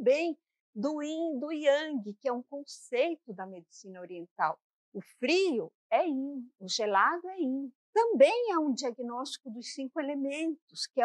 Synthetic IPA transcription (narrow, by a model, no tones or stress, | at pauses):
bẽj̃ | d̪ʊĩd̪ʊiɐ̃ɡɪkɪɛũkõsejt̪ʊd̪ɐmed͡ʒisĩnɐoɾiẽnt̪a̰w | ʊfɾiʊ | ɛĩʊʒelad̪ʊɛĩ | t̪ɐ̃mbẽj̃aũd͡ʒiaɡinɔst͡ʃi̥kʊd̪ʊssĩŋkʊelemẽnt̪ʊskɪɛ